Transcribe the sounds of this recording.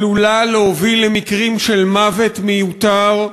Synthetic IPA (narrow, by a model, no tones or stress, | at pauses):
lulaleovilemikʁimʃelmavet̪mejut̪aʁ